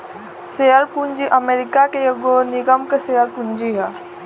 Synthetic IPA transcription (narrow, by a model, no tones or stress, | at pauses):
seːəɾpuɲd͡ʒiʔəmeːɾɪkakejoɡonɪɡəmkeseːəɾpund͡ʒiɦɛː